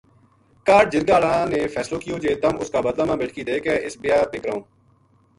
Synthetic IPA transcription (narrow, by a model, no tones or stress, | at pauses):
kaːɖ̚d͡ʒɪɾɡaːlãːneːfʰɛːsloːkɪjoːd͡ʒeːt̪əmʊskaːbəd̪laːmãːbeːʈʰkiːd̪eːkɛːʔɪsbɪjaːpeːkəɾaõː